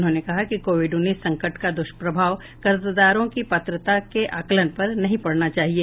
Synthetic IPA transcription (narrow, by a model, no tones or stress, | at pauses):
ʊnɦõːnekɐɦakikoːʋɪɖʊnːiːsːɐ̃ŋkəʈkad̪ʊʃpɾɐbʱaːʋ | kɐɾzd̪aːɾõkipɐt̪ɾət̪akeʔaːkələnpɐɾnɐɦĩpɐɽnat͡ʃaːɦieː